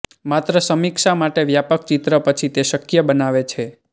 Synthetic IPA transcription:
mat̪ɾəsəmikʃamaʈeʋjapək̚t͡ʃit̪ɾəpət͡ʃʰit̪eʃəkjəbənaʋet͡ʃʰe

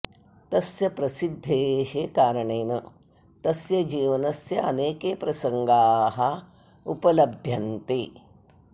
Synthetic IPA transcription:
t̪ɐsjɐpɾɐsid̪ʱːeːɦekaːɾɐɳeːnɐ | t̪ɐsjɐd͡ʒiːʋɐnɐsjɐɐneːkeːpɾɐsɐŋɡaːɦɐ | upɐlɐbʱjɐnt̪eː

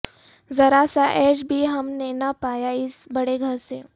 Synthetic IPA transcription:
zɐɾaːsaʔɛːʃbʱiɦɐmnenɐpaːjaɪsbɐɽeɡʱɐɾseː

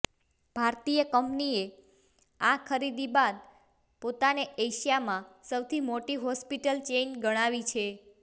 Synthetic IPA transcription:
b̥ʱaɾt̪ijəkəmpnie | ãkʰəɾid̪ibad̪̚ | pot̪aneeʃijamãsəwt̪ʰimoʈiɦɔspiʈəlt͡ʃenɡəɽ̃aʋit͡ʃʰe

